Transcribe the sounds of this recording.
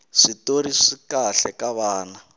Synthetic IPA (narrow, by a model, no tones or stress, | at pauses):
ʂitoɾiʂikaɬɛkaβaːna